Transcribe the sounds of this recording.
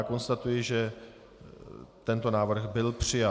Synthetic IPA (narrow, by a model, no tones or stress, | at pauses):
ko̞nst̪at̪ujɪʒɛ | t̪ɛnt̪o̞naːvr̩ɣbɪlpr̥ɪja